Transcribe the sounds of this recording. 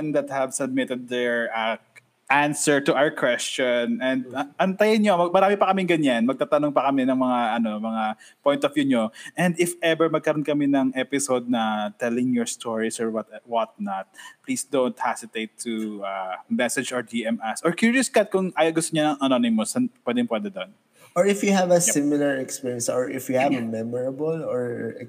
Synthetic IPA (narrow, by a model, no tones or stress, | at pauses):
nd̪ɐt̪̚hɛvsɐb̚mɪt̪ɛd̪̚ːɛɹa | ʔansɛɹt̪ʊʔawəɹkwɛst͡ʃɔnɛ̃nd̪̚ʔɐnt̪ɐjɐɲomɐmɐɾaːmɪpɐkɐmɪŋɡɐɲanmɐɡ̚t̪aːt̪ɐnoŋpɐkɐmɛnɐŋmɐŋaʔɐno̞mɐŋa | pojnt̪ɔfjuɲoʔɛ̃nd̪ɪfɛbɛɹmɐɡ̚kɐɾonkɐmɛnɐŋʔɛpɪsod̪̚nɐt̪ɛlɪŋjɔɹst̪oɹisɔɹwɐt̪wɐt̪̚nɐt̪̚plisd̪ownt̪̚hasɪt̪ejt̪ʰːuamɛsɛd͡ʒɔɹd͡ʒiɛmasɔɹkjuɹjʊskat̪̚kʊŋaːjɐɡʊst̪oɲanɐŋɐnonɪmʊsɐnpwɛd̪ɛŋpwɛd̪ɛd̪on | ʔɔɹɪfjuhavɐsɪmɪlɐɹɛkspiɹjɛ̃nsɔɹʔɪfjuhavɐmɛmɔɹɐbɔlɔɹ